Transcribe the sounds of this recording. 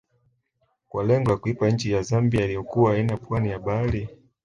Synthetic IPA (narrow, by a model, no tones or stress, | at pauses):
kwalɛŋɡɔlakuipaɲ̩t͡ʃijazambiailijɔkuwaːinapwanijaɓali